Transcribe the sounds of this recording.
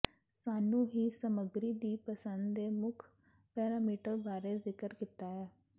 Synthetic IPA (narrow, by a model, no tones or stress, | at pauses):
saːnũːɦiːsəməɡɾiːd̪iːpəsənd̪d̪eːmʊkʰ | pɛːɾaːmiːʈəɾbaːɾeːzɪkəɾkit̪aːɦɛː